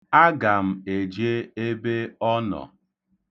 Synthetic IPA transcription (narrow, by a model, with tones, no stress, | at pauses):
a˦ɡa˨m̩˦e˨d͡ʒe˦e˦be˦ɔ˦nɔ̰˨